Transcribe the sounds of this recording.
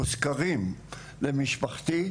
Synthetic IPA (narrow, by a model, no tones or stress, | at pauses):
uskaʁim | lemiʃpaχt̪i